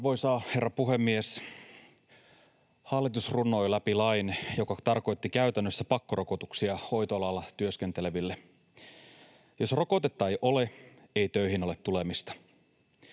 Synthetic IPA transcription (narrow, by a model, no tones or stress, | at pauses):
ʋo̞jsɑːhe̞rːɑpuɦe̞mːies | hɑlːˑit̪usrunːo̞jlæpilɑjnjo̞kɑt̪ɑrko̞jt̪ːikæyt̪ænːøsːæpɑkːoro̞kot̪uksiɑho̞jt̪oɑlɑlːɑt̪yøskent̪e̞le̞ʋilːe | jo̞sro̞ko̞t̪et̪ːɑejʔo̞le̞ | e̞jt̪øiɦino̞let̪tːule̞mist̪ɑ̥